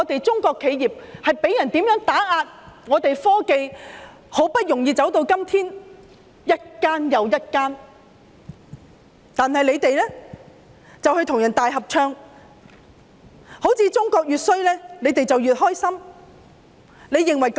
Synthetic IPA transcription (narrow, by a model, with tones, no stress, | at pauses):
ɔː˨˧t̪e˨jt͡sʊ˥ŋkɔː˧kʰːe˨˧jjiː˨p̚hɐ˨jpe˨˥jɐ˨˩nt̪iː˨˥mjœː˨˥ŋt̪aː˨˥aː˧t̚ŋɔː˨˧t̪e˨jfɔː˥ke˧j | ho˨˥wpɐ˥t̚jʊ˨˩ŋjiː˧t͡sɐ˨˥wt̪o˧wkɐ˥mt̪ʰiː˥n | jɐ˥t̚kaː˥njɐ˨wjɐ˥t̚kaː˥n | t̪aː˨nhɐ˨jle˨˧jt̪e˨˧jlɛː˥ | t͡sɐ˨whɵ˧jt̪ʰʊ˨˩ŋjɐ˨˩nt̪aː˨jɦɐ˨p̚t͡ʃʰœː˧ŋ | ho˨˥wt͡sʰiː˧t͡sʊ˥ŋkɔː˧k̚jyː˨t̚sɵ˥ɥlɛː˥le˨˧jt̪e˨jt͡sɐ˨wjyː˨t̚hɔː˥jsɐ˥m | le˨˧jːɪ˨˩ŋwɐ˨˩jk